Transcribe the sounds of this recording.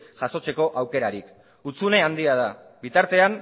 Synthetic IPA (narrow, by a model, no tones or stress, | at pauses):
ʝ̥aso̞t͡se̞ko̞ʔawke̞ɾaɾik | ut͡sune̞and̪iað̞a | bit̪aɾt̪e̞an